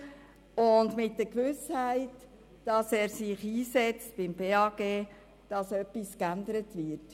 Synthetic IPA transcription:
ʊndmɪtdəkʋʏshæɪt | d̥ɑsɛːɾsɪχiːsɛt͡stb̥ɪmbeːɑɡ̥eː | d̥ɑsœpːiskændəɾətʋɪɾt

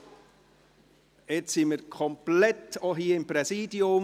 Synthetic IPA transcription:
ɛt͡ssinməɾkʰɔmplɛtoɦiːɪmpɾɛsiːdiʊm

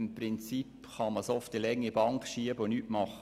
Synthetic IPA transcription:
mpɾɪnt͡sip | χɑməsɔftilɛŋːibɑŋkʃiəbonyʔmɑχə

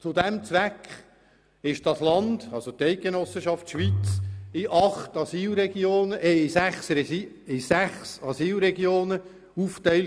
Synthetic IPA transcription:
t͡sʊdɛmt͡sʋækχ | ɪʃd̥ɑslɑnd̥ɑlsot̪ɛɪk̚ɡ̥enɔsəʃɑftʃʋit͡sɪʔɑχtɑsiːlɾɛɡ̥joːnəʔɛɪsæχsɛ | ɪsæχsɑsiːlɾɛɡjoːnə | uftɛɪl

